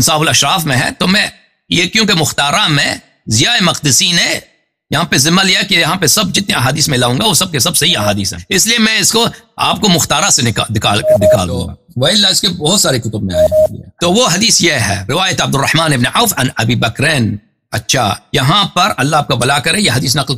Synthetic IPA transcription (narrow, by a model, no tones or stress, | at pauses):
nsaːbʊlɐʃɾaːfmẽɦɛ̰̃t̪oːmɛ̃ | jekjõːk̬emʊxt̪aːɾamẽ | zɪjaːemɐqd̪ɪsine | jɐɦãpezɪməlikejɐɦãpesɐb̚d͡ʒɪt̪neɐɦaːd̪iːsmẽlaːũːŋɡaʋosɐb̚kes̬ɐbsɐɦiɐɦaːd̪iːsɦɛ̰̃ɪsliemɛ̃ɪskoa̰ːp̚komʊxt̪aːɾasenɪkad̪ɪka̰ːld̪ɪka̰ːld̪̰̃ | ʋɐɪlːaɪskebɐɦʊt̪saːɾekʊt̪ʊb̚mẽa̰ːẽḭt̪oʋoɦɐd̪iːsjeɦɛ̰ɾɪʋaːjət̪ɐb̚d̪ʊrːɐħmaːnɪbneʕaːfɐnɐbiːbɐkɾeːn | ɐ̰tːʃʰa̰jɐɦãpɐɾɐlːaaːp̚kabɐlaːkɐɾẽjeɦɐd̪iːs̬nɐql